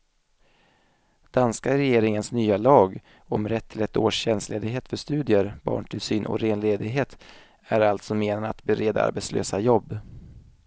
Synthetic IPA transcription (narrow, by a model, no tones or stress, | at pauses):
d̪̥anskaɾɛjeːɾɪŋənsnyːalɑːɡ | ɔmɾɛt̪ʰːɪlɛt̪oːʂɕɛnst̪leːd̪ɪɡɦeːt̪fœʂt̪ʉ̟ːd̪ɪəɾbɑ̰ːɳʈʰɪlsyːnʔɔ̰ɾeːnleːd̪ɪɡɦeːt̪ | æɾalt̪sɔmeːnanat̪bɛɾeːd̪a̰a̰ɾbet̪slø̰ːsajɔbː